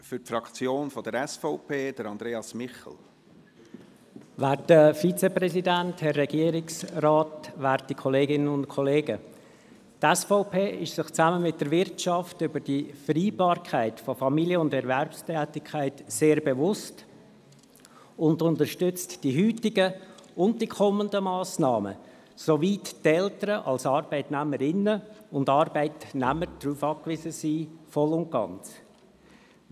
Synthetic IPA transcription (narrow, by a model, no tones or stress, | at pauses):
fʏtfɾɑkt͡sjoːnfɔd̥̪əɾɛsfoʊpʰeːd̥əɾɑnd̪ɾeːɑsmɪχl̩ | ʋæːɾtəfit͡sɛprɛsidænthɛrːɛɡ̥iəɾɪksraːtʋæːɾtikʰɔleːɡɪnənʊntkʰɔleːɡə | tɛsfɔʊpʰeːɪʃsɪχt͡sæməmɪt̚d̥əɾvɪrtʃɑftʏbəd̥ifɾiːbɑːɾkʰæɪtfɔfɑmiljəʊndɛɾvɛɾpstɛːtɪkʰæɪtseːɾbevʊst | ʊndʊntəɾʃtʏt͡std̥iɦyːtɪɡəʊnt̚d̥ikʰɔməndəmɑːsnɑ̰ːmə̰ | sovittɛltəɾəʔɑ̰lsɑɾb̥ɛɪtnæməɾɪnəʊndɑɾbɛɪtnæməɾd̥ɾuːfɑːkvɪzəsiːfɔlʊnt̚ɡ̥ɑ̰nt͡s